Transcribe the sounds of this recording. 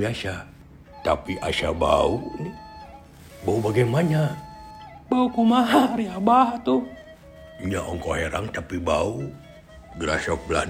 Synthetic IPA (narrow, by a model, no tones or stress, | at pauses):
iaʃa | t̪apiʔaʃaba̰uni | baubaɡajmaɲa | baukumaɦaɾiabahat̪u | ɲaʔɔŋkɔɦeɾaŋt̪apibau | ɡəɾa̰sɔk̚bəla̰